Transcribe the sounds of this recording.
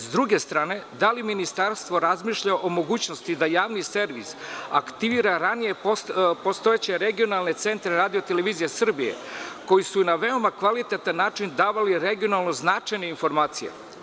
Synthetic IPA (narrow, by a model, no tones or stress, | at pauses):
zd̪ɾuɡe̞st̪ɾaːne̞d̪aliminist̪aɾst̪ʋo̞ɾazmiːʃʎaʔomo̞ɡuːt͡ɕnost̪id̪ajaːʋnise̞ɾʋisa̰kt̪iʋiːɾaɾanije̞post̪o̞et͡ɕe̞ɾeɡio̞nalˠne̞t̪se̞nt̪ɾeɾaːd̪io̞t̪eleʋiːzijesr̩bijḛko̞jisunaʋe̞o̞makʋalit̪et̪anːaːt͡ʂind̪aːʋaliɾeɡio̞nalˠno̞znat͡ʂajneinfo̞ɾmaːt̪sijḛ